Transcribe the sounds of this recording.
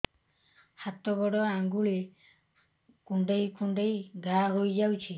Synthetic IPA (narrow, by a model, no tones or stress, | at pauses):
hat̪ɔɡɔɽɔaŋɡuɭe | kuɳɖejkuɳɖejɡaɦojd͡ʒawt͡ʃʰi